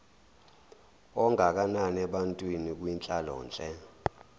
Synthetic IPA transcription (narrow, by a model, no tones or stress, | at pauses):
ɔŋʱak̬ananɛɓantʼwinik̬wint͡ɬʼalɔ̰ːnt͡ɬʼɛ